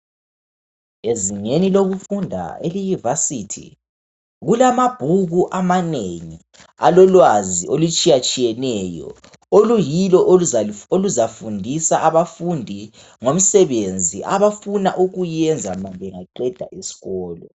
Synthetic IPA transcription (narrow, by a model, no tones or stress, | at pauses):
eziŋeniloɣufundʱa̰elijuvasitʰḭ | ɣulamab̥ʱuɣuʔamaneŋi | a̰lɔlwaziolut͡ʃʼijat͡ʃʼijɛnɛjɔ̰ | olujilɔʔoluzafundʱisaʔaβafundʱi | ŋom̩sɛβend͡zʱiʔaβafuna̰ʔuɣujɛnd͡zʱamambʱɛŋaǃɛd̥ʱa̰ʔisi̥ɣɔːlɔ